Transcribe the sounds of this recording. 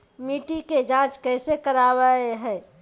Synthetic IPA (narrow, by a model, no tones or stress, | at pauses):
miːʈiked͡ʒãːt͡ʃkɛɪsekəɾawəeɦɛː